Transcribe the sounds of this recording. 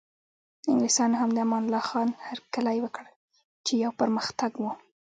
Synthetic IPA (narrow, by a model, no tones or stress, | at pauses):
ɪŋɡlisɑnɦamd̪əamɑnlɑxɑnhaɾkalajwəkɽ | t͡ʃejawpəɾməxt̪aɡwu